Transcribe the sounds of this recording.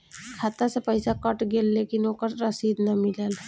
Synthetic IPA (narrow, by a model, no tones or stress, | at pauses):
kʰat̪asəpəjsakəʈɡelːekinokəɾɾəsid̪nəmilal